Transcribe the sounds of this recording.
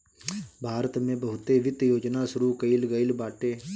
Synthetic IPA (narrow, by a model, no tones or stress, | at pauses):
bʱaːɾət̪mẽːbəɦʊt̪ːeːʋɪt̪joːd͡ʒnaːsʊɾuːkəilɡəilbaːʈeː